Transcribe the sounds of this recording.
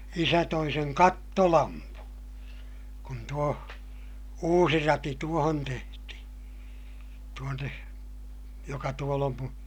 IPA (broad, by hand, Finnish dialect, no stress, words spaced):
isæ toi seŋ kɑtːolɑmpu kun tuo uːsi rɑti tuohon tehtihi̥ tuonːe jokɑ tuol om mun̞